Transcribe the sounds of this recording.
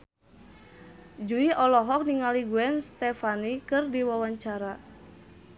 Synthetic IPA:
d͡ʒuiʔɔlɔɦɔk̚niŋaliɡuɛnst̪ɛfanikɨrdiwawaɲt͡ʃaɾa

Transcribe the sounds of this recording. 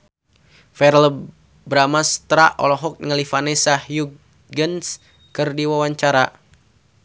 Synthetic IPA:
fɛɾl | bɾamast̪ɾaʔɔ̰lɔɦɔk̚ŋəlifanɛsahju | ɡəns | kɨrdiwawaɲt͡ʃaɾa

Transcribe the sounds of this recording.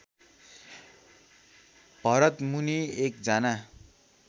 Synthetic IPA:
b̥ʱʌɾʌt̪muniek̚d͡zʌna

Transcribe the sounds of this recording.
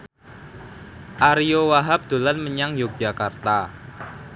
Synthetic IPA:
ʔaɾijowaɦap̚d̪̥o̤lanməɲaŋjod͡ʒakart̪a

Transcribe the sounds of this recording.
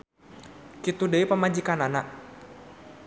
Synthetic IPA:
kit̪udəipəmad͡ʒikanana

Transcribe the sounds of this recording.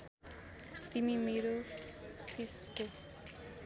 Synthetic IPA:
t̪imimeɾo | pʰisko

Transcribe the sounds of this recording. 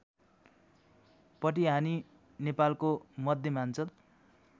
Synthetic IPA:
pʌʈiɦani | nepalkomʌd̪ʱjʌmant͡sʌl

